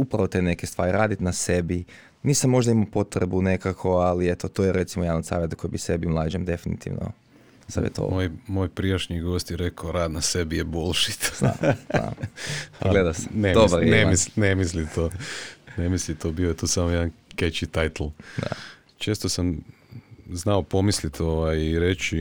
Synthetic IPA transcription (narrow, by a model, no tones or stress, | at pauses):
upɾaʋot̪enekest̪ʋa̰ːɾiɾaːd̪it̪nase̞bi | niːsamːo̞ʒd̪aimapo̞t̪ɾebune̞kakʰo̞aliet̪ot̪ojeɾe̞t̪simojaːʋnosa̰ːʋjet̪ko̞jibise̞bimlˠaːd͡ʒemd̪e̞finḭt̪ḭʋno̰ | sa̰ʋjḛt̪o̰mojmoːjpɾieʃɲiɡo̞ːst̪jeɾekaoɾaːd̪nasebijebolʃit̪a̰a̰ | ɡled̪ase̥ned̪obɾonemisnemislit̪oːnemislit̪oːbiojet̪uːsamojed̪anket͡ʃit̪ajt̪l̩ˠd̪a̰ | t͡ʃeːst̪osam | znaopo̞mislit̪oʋajiɾet͡ʃi